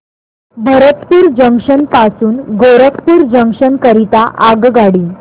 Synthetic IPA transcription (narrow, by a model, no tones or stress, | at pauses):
bʱəɾət̪puːɾd͡ʑəŋkʂənpasuːnɡoɾəkpuːɾd͡ʑəŋkʂənkəɾit̪aʔaɡɡaɽiː